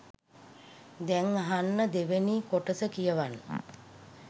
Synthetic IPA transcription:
d̪ɛŋɦanːəd̪eʋeniːkoʈəsəkijəʋanːə

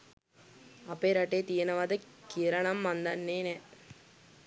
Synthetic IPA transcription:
ɐpeːɾɐʈːeːt̪ijɐnɐʋɐd̪ɯkiɾɐɳɐmːɐnd̪ɐnːeːnɛ

